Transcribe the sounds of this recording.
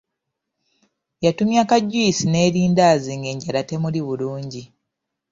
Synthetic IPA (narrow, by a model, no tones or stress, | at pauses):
jatumjakaɟːuisine̞ːɾiːndaːziːŋɡe̞ːɲɟalate̞muliβuluːɲɟi